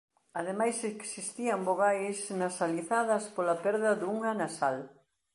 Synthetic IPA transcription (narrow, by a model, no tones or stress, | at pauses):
ɐðemajseksist̪iɐmboɣajsnɐsaliθaðɐspolɐpɛɾðɐðuŋanasal